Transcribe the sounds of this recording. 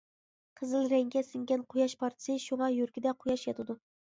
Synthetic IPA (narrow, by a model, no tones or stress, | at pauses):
qʰəzɨlɾɛŋɡʲɛsɨŋɡʲɛnqʰojɑʃpʰɑɾt̪ʰɨ̥sɨʃuŋɑjyɾkʲɪd̪ɛqʰojɑʃjɑt̪ɨd̪u